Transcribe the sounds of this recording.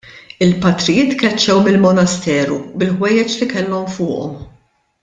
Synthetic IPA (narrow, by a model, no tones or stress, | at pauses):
ɪlpɐt̪ɾɪjɪːt̪kɛt͡ʃːɛwmɪlmɔnɐst̪ɛːɾubɪlħwɛjːɛt͡ʃlikɛlːɔmfʊːʔɔ̰m